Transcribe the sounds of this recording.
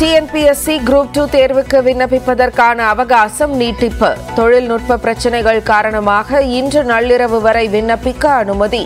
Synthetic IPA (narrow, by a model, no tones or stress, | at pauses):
ʈiɛnpiɛsiɡɾuːp̚ʈuːt̪eːɾʋɯkːɯʋɪnːɐpːɪpːɐðɐrkaːnɐːʋɐɣɐːsɐmniːʈːɪpːɐt̪ɔɻɪlnʊʈ̚pɐpɪɾɐt͡ʃːɐnɐɪɣɐɭkaːɾɐɳɐmaːɣɐɪndrɯnɐɭːɪɾɐʋɯʋɐɾɐɪʋɪnːɐpːɪkːɐːnɯmɐði